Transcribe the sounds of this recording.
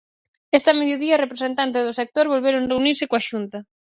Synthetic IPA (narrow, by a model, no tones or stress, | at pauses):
est̪ɐmeðjoðiɐrepɾesent̪ant̪̬ɪzðʊsek̚t̪oɾβolβeɾoŋreuniɾsɪkoaʃunt̪ɐ